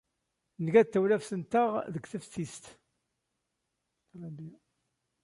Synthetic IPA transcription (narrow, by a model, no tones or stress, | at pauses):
nəɡæt̪ːæwlæfsənt̪əʁðəɡθəfθist̪ | læbi